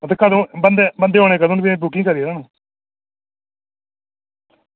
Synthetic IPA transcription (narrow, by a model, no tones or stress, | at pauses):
ət̪ekəd̪õːbənd̪eːbənd̪eːɦoːneːkəd̪õːnbibukɪ̃ŋɡkəɾieːɾaːnũː